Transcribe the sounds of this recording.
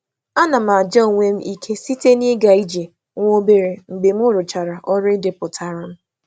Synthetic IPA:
a˦na˨ma˨d͡ʒa˦o˨ŋʷe˦m̩˦i˦kʰe˦si˦te˦ni˦ɡa˨i˦d͡ʒe˨ | ŋʷo˦be˦ɾe˨ŋ͡m̩˨ɡ͡be˨m̩˦ʊ˦ɾʊ˨t͡ʃa˨ɾa˨ʔɔ˦ɾɪ˦dɪ˨pʊ˨tʰa˨ɾa˦m̩˦

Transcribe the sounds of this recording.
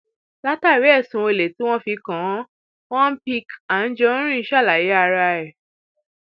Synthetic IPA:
la˦ta˦˨wɛ˨˦ɛ˦˨sũ˨˧e˨le˨˦tĩ˦w̃ɔ̃˦fi˧kã˨˦ | wɔ̃˦pi˧ka˨n̩˦d͡ʒɔ˦ɾ̃ĩ˦˧˦ʃa˦˨la˨ji˨˦a˧ɾa˧ɾɛ˨

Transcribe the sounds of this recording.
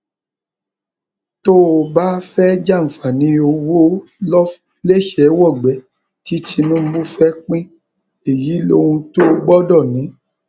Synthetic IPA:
to˦˧ba˦fɛ˦d͡ʒa˦˨m̩˨fa˨nĩ˨˧˦o˧wo˦lɔ˦ | le˦ʃɛ˨˦wɔ˦˨ɡ͡bɛ˨ | ti˨˦ti˧nũ˦m̩˦bu˦fɛ˦k͡pĩ˦ | e˨ji˨˦lo˦ũ˧to˦˧ɡ͡bɔ˦dɔ˦˨nĩ˨˦

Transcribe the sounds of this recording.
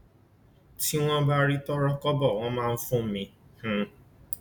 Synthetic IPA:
ti˦w̃ɔ̃˦ba˦ɾi˦tɔ˦ɾɔ˦kɔ˦bɔ˦˨w̃ɔ̃˧mãː˦˧n̩˦fũ˦mĩ˧h̩˨˧

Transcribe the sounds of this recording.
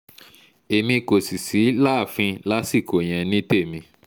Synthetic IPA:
e˨mĩ˧ko˨si˨si˨˦la˦˨fĩ˧la˦si˦˨ko˨j̃ɛ̃˨nĩ˦te˦˨mĩ˧

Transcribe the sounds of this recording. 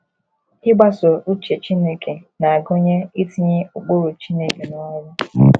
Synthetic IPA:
ɪ˦ɡ͡ba˦so˨u˦t͡ʃe˨t͡ʃi˦ne˦ke˨na˨a˨ɡo˦ɲe˦i˦ti˦ɲe˦o˨ɡ͡bo˦ɾo˨t͡ʃi˦ne˦ke˨nɔ˨˦wʊ˦

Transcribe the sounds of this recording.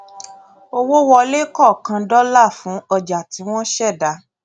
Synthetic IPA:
o˧wo˦wɔ˧le˦kɔ˦˨kã˧dɔ˦la˦˨fũ˨˦ɔ˧d͡ʒa˨ti˨˦w̃ɔ̃˦ʃɛ˦˨da˨˦

